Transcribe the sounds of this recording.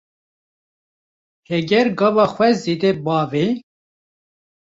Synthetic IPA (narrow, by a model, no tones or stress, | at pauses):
hɛɡɛɾɡɑːvɑːxwɛzid̪ɛbɑːve